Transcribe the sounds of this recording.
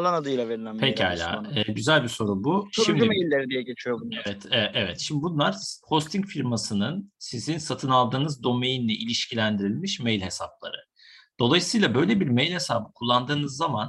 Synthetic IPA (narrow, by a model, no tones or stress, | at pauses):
lˠanad̪ɯjlˠaveɾilʲæmpʰeca̰jlʲa̰ːɛːɟyzælʲbiso̞ɾubuʃimd̪mejlʲːeɾid̪ijɛɟe̞t͡ʃʰijobuevɛt̪ʰɛʔɛvɛt̪ʃimd̪ibunlˠaɾho̞st̪ʰiŋcfiɾmasɯnɯnsizinsat̪ʰɯnalˠd̪ɯːnɯzd̪o̞mejinlʲɛʔilʲiʃcʰilʲænd̪iɾilʲmiʃmejlʲhe̞sap̚lˠa̰ɾɯ̰ | d̪̥o̞lˠajɯsɯjlˠabø̞jlʲe̞biɾmejlʲhesaːbɯkʰulˠːand̪ɯːnɯzːaman